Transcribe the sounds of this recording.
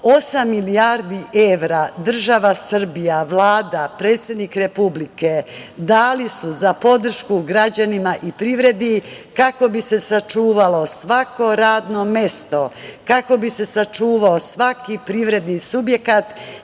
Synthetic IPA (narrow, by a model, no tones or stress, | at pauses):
o̞samːilijaɾd̪iʔeʋɾad̪r̩ʒaʋasr̩bijaʋlˠaːd̪apɾe̞ːt̪sje̞d̪nikɾe̞publiked̪aːlisuzapo̞d̪r̩ʃkuɡɾad͡ʑanimaʔipɾiʋɾe̞d̪ikako̞bise̞sat͡ʃuːʋalo̞sʋako̞ɾaːd̪no̞mje̞st̪o̞kako̞bise̞sat͡ʃuːʋaosʋakipɾiʋɾe̞d̪nisubje̞kat̪